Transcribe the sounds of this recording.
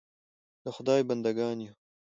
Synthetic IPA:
d̪̥əxʊd̪ɑːjbɐnd̪ɐɡɑːnju

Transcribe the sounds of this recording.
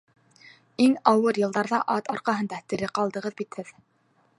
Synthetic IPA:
iŋɑwɤɾjɤ̆lˠd̪ɑɾðɑʔɑt̪ɑɾqɑɦɤ̆nd̪ɑt̪ɘ̆ɾɘqɑlˠd̪ɤ̆ʁɤðbit̪hɘð

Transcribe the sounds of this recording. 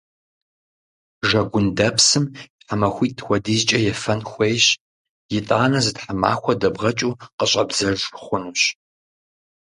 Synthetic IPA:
ʒɐɡʷʊndɐpʰsɨmtħamɐxʷiːttxʷɔdizt͡ʃʼɐjɛfɐnxʷejɕ | jɪtʼaːnɐzɨtħama̰ːxʷɔdɐbʁɐt͡ʃʼuːqəɕʼɐbzɐrʒχʷʊnuɕ

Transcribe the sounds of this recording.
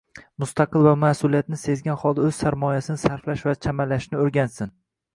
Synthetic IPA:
mʊst̪aqɨlvamasʊlijat̪nɪse̞zɡʲanχɒlˠd̪aɵz̥saɾmɒjasɪnɪsaɾflaʃvat͡ʃʰamalaʃnɪoɾɡʲansɪn

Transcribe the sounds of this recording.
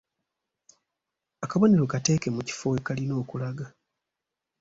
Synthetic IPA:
akaβo̞ne̞ɾo̞kate̞ːke̞muci̥fo̞ekalino̞ːkulaɡa

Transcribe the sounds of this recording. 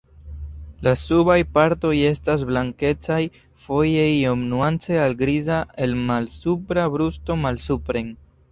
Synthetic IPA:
lasubajpaɾto̞je̞stas̬blaŋke̞t͡saj | fo̞jejo̞mnuant͡se̞alɡɾizae̞lmalsupɾabɾusto̞malsupɾe̞ŋ

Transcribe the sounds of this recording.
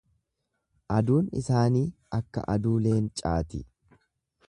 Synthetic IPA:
ʔɐd̪uːnɪ̰saːniːʔɐkːɐ̰ʔɐd̪uːle̞ːnt͡ʃʼa̰ːt̪ɪ

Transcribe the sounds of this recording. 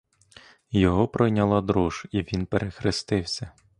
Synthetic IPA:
jɔɦɔpɾɔjnʲɐlˠɑd̪ɾuʒ̥iʋʲinpeɾʔexɾɪst̪ɪwsʲɐ

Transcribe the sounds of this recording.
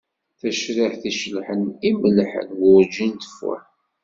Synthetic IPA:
θæʃɾiħθiʃəlħəniməlħə̰nwʊɾd͡ʒint̪ə̥fæ̰ħ

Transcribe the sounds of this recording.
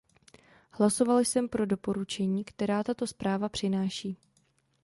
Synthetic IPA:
hlaso̞valsɛmpɾo̞do̞po̞ɾut͡ʃɛɲiːkt̪ɛɾaːt̪at̪o̞spɾaːvapr̥ɪnaːʃiː

